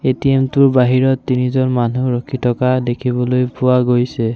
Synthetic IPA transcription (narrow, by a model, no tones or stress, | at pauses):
etiemtuɹbaɦiɹɔtːinizɔnmanuɹɔkʰitʰɔkadekʰibɔlojpʊwaɡojsɛ